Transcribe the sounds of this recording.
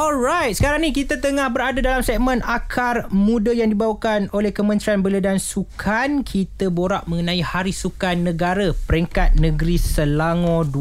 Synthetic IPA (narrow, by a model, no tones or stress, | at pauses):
ɔlɾajt̪̚sə̥kaɾaŋnĩkit̪at̪əŋahbəɾadadalamsɛk̚mə̃nakʰarmũdajaŋdibawakanolɛhkəmə̃nt̪ɾianbələdansukʰankʰit̪aboɾaʔmə̃ŋənãihaɾisukanːə̃ɡaɾapəɾiŋkat̪̚nə̃ɡɾisəlaŋɔ̃du